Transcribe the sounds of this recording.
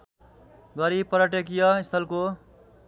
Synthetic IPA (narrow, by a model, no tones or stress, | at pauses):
ɡʌɾipʌɾʌʈek̬ijʌist̪ʰʌlko